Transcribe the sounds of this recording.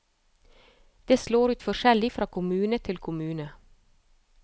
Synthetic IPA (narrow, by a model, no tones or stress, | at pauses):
d̪̥eːsloːɾʉːt̪fɔʃɛlɪfɾɑːkʰʊmʉːnət̪ʰɪlkʰʊmʉːnə